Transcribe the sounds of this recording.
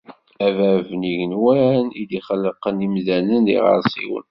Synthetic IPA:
ævævniʝənwænid̪iχəlːəqənimðænənḭʁə̰ɾˤsˤḭwə̰n

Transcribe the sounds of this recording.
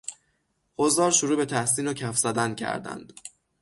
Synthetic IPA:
ʔozɒːɾʃoɾuːbe̞t̪ʰæhsiːnocʰæfz̥æd̪æncʰæ̰ɾd̪æ̰nd̪̥

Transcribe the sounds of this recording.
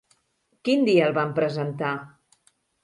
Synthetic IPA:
kind̪iəːlˠβampɾəzənt̪a

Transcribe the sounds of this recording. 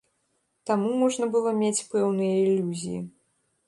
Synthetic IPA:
t̪amumɔʐnɐbɨlˠɔmʲet͡sʲpɛwnɨjɐilʲːuzʲijḭ

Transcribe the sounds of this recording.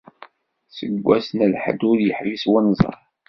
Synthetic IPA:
səɡʷːæsnəlħə̰d̪ʊɾjəħɾiswənzˤə̰ɾˤ

